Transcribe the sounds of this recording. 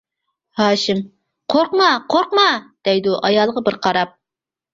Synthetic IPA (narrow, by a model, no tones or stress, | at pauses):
hɑːʃɪm | qʰoɾqmɑqʰoɾqmɑd̪̥ɛjd̪uʔɑjɑlˠʁɑbəɾqʰɑɾɑp̚